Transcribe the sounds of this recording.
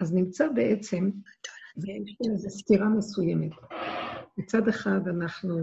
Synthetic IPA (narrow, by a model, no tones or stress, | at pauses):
aznɪmt͡sabɛʔɛt͡sɛm | zɛajʃɛmzɛstiɾaməsujɛmɛt̪ | mit͡sad̪ɛχad̪anaχnu